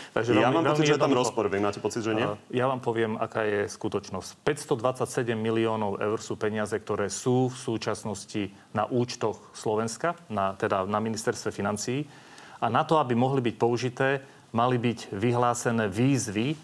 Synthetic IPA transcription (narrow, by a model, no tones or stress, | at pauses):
t̪aɡʒɛajamaːmɛlmt͡siʒɛamɾɔspɔɾʋɪɛmaːcɛpɔt͡sid̪ʒɛɪɛjaʋaːmpɔʋɪɛma̰kaːjɛskut̪ɔt͡ʃnɔscpɛcst̪ɔd̪ʋat͡sacsɛɟɛmːiliɔːnɔʊɛ̰ʊɾsuːpɛɲɪazɛk̚t̪ɔɾɛːsuːfsuːt͡ʃasnɔsci | na̰ʔuːt͡ʃt̪ɔxslɔʋɛnskanat̪ɛd̪anaminist̪ɛɾst̪ʋɛfinant͡siː | ʔanat̪ɔabimɔɦlibic̚pɔuʒit̪ɛː | malibiɟʋiɦlaːsɛnɛːʋiːzʋi